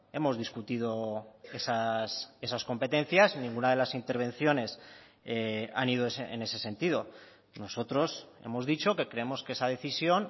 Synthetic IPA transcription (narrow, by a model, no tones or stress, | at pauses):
e̞mo̞zðiskut̪iðo̞esase̞sasko̞mpe̞t̪e̞n̟θjasnĩŋɡunað̞e̞lasint̪e̞ɾβ̞ẽ̞n̟θjo̞ne̞s | eaniðoseḛne̞se̞se̞nt̪ið̞o̞ | no̞so̞t̪ɾo̞se̞̰mo̞zðit͡ʃo̞ke̞kɾe̞emo̞skeesaðe̞θisjo̞n